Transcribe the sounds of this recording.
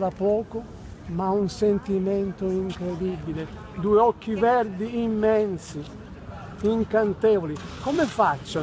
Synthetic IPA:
ɾapɔːkʊ | maunsent̪imɛnt̪oiŋkɾed̪ibile | d̪uːeɔkːivɛɾd̪iimːɛnsi | iŋkant̪ɛːvolikomɛfat͡ʃːa

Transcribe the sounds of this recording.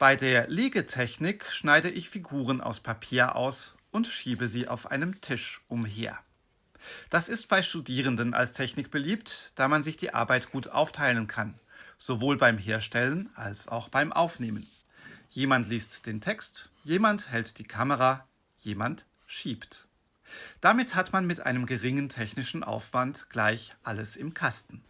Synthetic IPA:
b̥aɪdeːɐleːɡətʰɛçnɪkʃnaɪdəʔɪçfiɡuːʁ̞ənʔa̰ʊspʰapʰiːɐʔa̰ʊsʔʊntʃiːbəziːʔa̰ʊfʔa̰ɪnəmtʰɪʃʔʊmɦḛːɐ | d̥asɪst̚b̥aɪʃtudiːʁ̞əndəna̰lstʰɛçnɪkb̥əliːptd̥aːmanzɪçd̥ḭːʔa̰ɐbaɪtɡ̥uːtʔa̰ʊftʰaɪlənkʰanz̥ovoːlbaɪmɦeːɐʃtɛlənʔa̰lsa̰ʊxb̥aɪmʔa̰ʊfneːmən | jeːmantliːstd̥eːntʰɛkstjeːmanthɛltd̥iːkʰaməʁa | jeːmant | ʃiːpt | d̥amɪthatmanmɪtʔa̰ɪnəmɡəʁɪŋəntʰɛçnɪʃn̩ʔa̰ʊfv̥antɡ̥laɪçʔaləsɪmkʰastn̩

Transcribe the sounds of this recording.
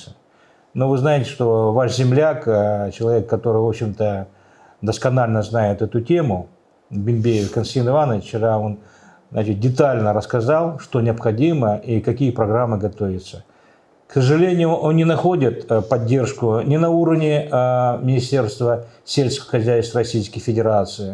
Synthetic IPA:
ə | no̞vɨznajɪtʲɪ̥ʂt̪o̞vaʂzʲɪmlʲakt͡ɕɪlˠɐvʲe̞kːɐt̪o̞ɾɨvo̞pɕːɪmt̪ə | d̪əskɐnalʲnəznajɪt̪ɛt̪ʊtʲe̞mʊ | bʲɪmʲbʲejɪvʲkɐnsʲt̪ʲinɨvanəft͡ɕɪɾao̞n | znat͡ɕɪt̪̚dʲɪt̪alʲnəɾəskɐzalˠʂt̪o̞nʲɪɐpxɐdʲiməʔikɐkʲijəpɾɐɡɾamːɨɡɐt̪ovʲɪt̪sə | ksəʐɨlʲenʲɪjʊʔonːʲɪnɐxo̞dʲɪt̪pɐdʲːe̞rʂkʊnʲɪnɐuɾəvnʲɪmʲɪnʲɪsʲtʲe̞rst̪vəsʲelʲskəʋəxɐzʲæjst̪vəɾɐsʲijskəjfʲɪdʲɪɾat̪sɨɪ

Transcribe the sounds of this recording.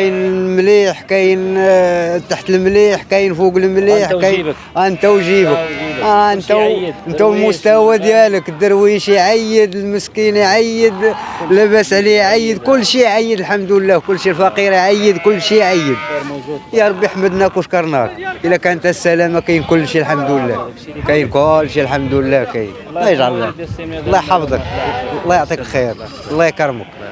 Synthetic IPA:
jnlmliħkæjn | t̪aħt̪əlmliħkæjnfuɡəlmliħkæj | ʔænt̪æwʒibəkæənt̪æwənt̪æwlmʊst̪æwad̪jæləkd̪əɾwiʃiʕajːəd̪əlməskiniʕajːəd̪ | læbæsʕliʕajːəd̪kʊlːʃiʕajːəd̪əlħamd̪wlːækʊlːʃilfɑqiɾiʕajːəd̪kʊlːʃiʕajːəd̪̚jɑɾˤɑbːiħaməd̪nækwʃkɑɾˤnækʔəlːækænt̪hæsːælæmakæjnkʊlːʃilħamd̪wəlːækæjnkʊlːʃilħamd̪wəlːækæj | lːɑjəʒʕallːɑ̰lˤːɑjħɑfd̪ˤəklˤːɑjoʕt̪ˤiklxiɾ | lˤːɑjkɾˤmə̰k

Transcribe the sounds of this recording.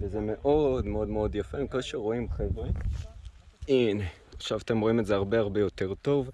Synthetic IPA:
vezeme̞ʔo̞d̪meo̞d̪meo̞d̪jafemikolʃeʁo̞imχevʁe | ine | aχʃavat̪e̞mʁoimezeaʁbeaʁbe̞jo̞t̪e̞ʁt̪o̞v

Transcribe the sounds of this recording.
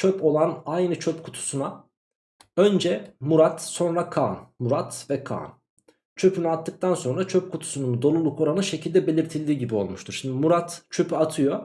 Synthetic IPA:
t͡ʃʰøpʰo̞lˠanajnɯt͡ʃʰøpkʰu̥t̪ʰu̥suna | ø̞nd͡ʒɛmuɾat̪so̞nɾakʰaːnmuɾat̪vɛkʰa̰ːn | t͡ʃʰø̞pʰynyat̪ːɯk̚t̪ʰanso̞nɾat͡ʃʰøp̚kʰut̪ʰu̥sunumud̪o̞lˠulˠuko̞ɾanɯʃe̞cʰilʲd̪ɛbe̞lʲiɾt̪ʰilʲd̪iːɟibio̞̰lˠmuʃt̪ʰuɾʃimd̪imuɾat̪t͡ʃʰø̞pʰyat̪ʰɯjo̞

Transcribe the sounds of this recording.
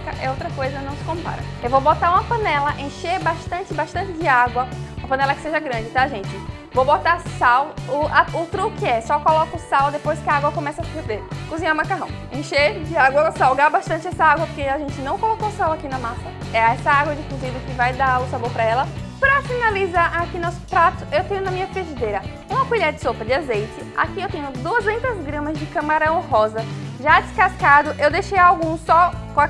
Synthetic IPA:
kɐ̰ʔɛ̰owt̪ɾɐkojzɐnɐ̃w̃sɪ̥kõpa̰ɾɐ̰ | ewvowbot̪aɾũmɐpɐ̃nɛlɐʔẽʃeɾbaʃt̪ɐ̃t͡ʃɪbaʃt̪ɐ̃nt͡ʃɪd͡ʒɪaɡwɐũmɐpɐ̃nɛlɐkɪ̥seʒɐɡɾɐ̃d͡ʒɪt̪ãʒẽt͡ʃɪ | vobot̪asawʊaʊt̪ɾukɪɛsɔkɔlɔkʊsawd̪epojskɪaaɡwɐkõmɛsɐsɪ̥peɾd̪eɾkuzĩɲaumakaɦɐ̰̃w̃ | ẽʃed͡ʒɪaɡwɐsawɡabaʃt̪ɐ̃nt͡ʃɪɛsɐaɡwɐpoɾkeaʒẽnt͡ʃɪnɐ̃w̃kolokosawakinɐmasɐ | ɛɛsɐaɡwɐd͡ʒɪkuzĩd̪ʊkɪvajd̪aʊsaboɾpɾɐɛlɐ | pɾɐfinalizaʔakinɔsʊ̥pɾat̪ʊ̥ewt̪ẽɲʊnɐmĩɲɐped͡ʒid̪ejɾɐ | ũmɐkuʎaɾɐd͡ʒɪsopɾɐd͡ʒɪazejt͡ʃɪa̰kiewt̪ẽɲʊd̪uɐzẽnt̪ɐzɡɾɐ̃mɐzd͡ʒɪkɐ̃maɾɐ̃w̃ɦɔzɐʒad͡ʒ̪ɪskaskad̪ʊʔewd̪eʃejawɡũsɔkõ

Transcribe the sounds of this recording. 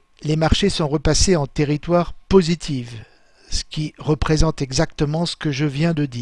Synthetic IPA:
lemaʁʃesɔ̃ʁəpaseɑ̃t̪eʁit̪waʁpozit̪ʰiv | sə̥kʲiʁəpχezɑ̃t̪ɛɡzakt̪əmɑ̃sə̥kəʒəvjɛ̃d̪əd̪iːʁ

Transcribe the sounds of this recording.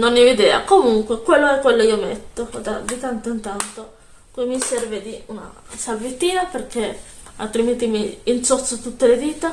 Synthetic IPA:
nonːivid̪ɛːa̰komuŋkwekwelːoɛkːwelːoiːomet̪ːod̪ad̪it̪ant̪oint̪ant̪o | kimːisɛrved̪iuna̰salvit̪ːiːnaperkea̰lt̪ɾiment̪imiːnsot̪sot̪ut̪ːeled̪iːt̪a

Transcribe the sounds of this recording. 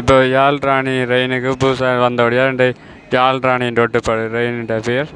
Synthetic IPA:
ɪpːoːjaːlɾaːɳiɾɐɪnɯkːɯbuːsaːʋɐnd̪ɐʋɐɽjaːɾɛɳɖɐ | jaːlɾaːɳiɖoʈːɯpːɐɽɯɾɐɪnɖɐpeɐɾ

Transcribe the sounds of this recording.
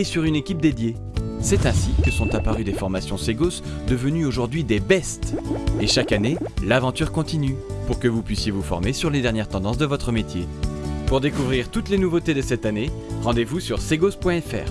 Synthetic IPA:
esyʁynekʲip̚d̪ed̪je | sɛt̪ɛ̃sikəsɔ̃t̪apaʁyd̪efɔʁmasjɔ̃seɡos | d̪əvənyoʒuʁd̪ɥid̪ebɛst̪eʃakanelavɑ̃t̪yʁkɔ̃t̪inypuʁkəvupɥisjevufɔ̰ʁmesyʁled̪ɛʁnjɛʁt̪ɑ̃d̪ɑ̃s̬d̪əvɔt̪χəmet̪jepuʁd̪ekuvʁiʁt̪ut̪lenuvot̪ed̪əsɛt̪aneʁɑ̃d̪evusyʁseɡospwɛ̃ɛfɛ̰ːʁ

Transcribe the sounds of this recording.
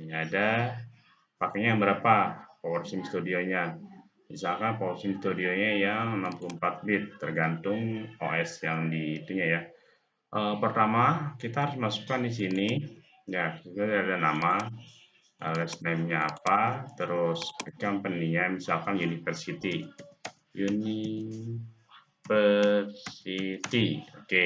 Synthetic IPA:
jaːda | pakaɲabəɾapapowərsɪmst̪udioɲa | misalkanpowərsɪmst̪udioɲajaŋənampuluəmpat̪̚bɪt̪ːərɡant̪ʊŋoʔɛsjaŋdiːt̪uɲaja | ʔəpərt̪amakit̪aɦaɾʊsmasu̥kandis̬ini | jait̪adadanama | a̰lɛsnɛmɲa̰ːpat̪əɾʊskaŋpənːiɲamisalkanjunifərsit̪i | juni | fərsit̪ioke

